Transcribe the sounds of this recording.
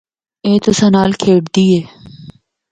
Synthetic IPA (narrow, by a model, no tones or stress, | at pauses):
eːt̪osɐnaːlkʰeːɖd̪iːeː